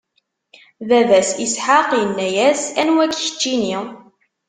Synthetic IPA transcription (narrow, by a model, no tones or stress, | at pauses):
ðævæsisħaqjənːæjæsænwækçə̥t͡ʃːini